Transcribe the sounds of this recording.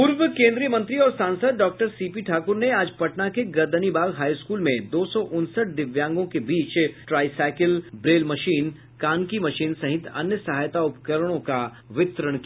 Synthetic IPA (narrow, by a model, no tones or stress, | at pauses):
pʊɾʋəkẽːnd̪ɾijəmɐ̃nt̪ɾiɔːɾsãːnsəd̪ɖɔːk̚ʈəɾsiːpiʈʰaːkʊɾneaːd͡ʒpɐʈnakeɡɐɾd̪ənibaːlɦaːiskuːlmẽd̪oːsɔʔʊnsəʈ̚d̪ɪʋjãːŋɡõkebiːt͡ʃʈɾaːɪsɛːkɪlbɾeːlmɐʃiːn | kaːnkimɐʃiːnsɐɦɪt̪ɐ̰njəsɐɦaːjt̪aʊpkəɾəɽ̃õka | ʋɪt̪ɾəɽ̃kia